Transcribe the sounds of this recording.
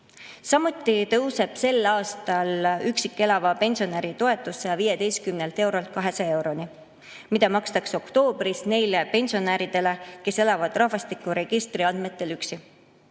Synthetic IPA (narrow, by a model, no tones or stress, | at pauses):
sɑmut̪ːˑit̪ɤ̞wse̞b̥se̞lɑːst̪ɑlyksikːˑe̞lɑvɑpe̞nsio̞neɾit̪o̞e̞t̪ːˑusːejɑviːjed̪e̞jst̪̚kymne̞lt̪e̞wɾo̞lt̪̚kɑɦe̞sɑe̞wɾo̞ni | mid̪ɑmɑkst̪ɑkso̞kt̪o̞ːb̥risne̞jlepe̞nʲsio̞næːɾid̪̥e̞le̞ke̞se̞lɑvɑd̪̥rɑhvɑst̪ikːˑuɾe̞ɡ̥ist̪riɑnd̪me̞t̪ːˑe̞lyksi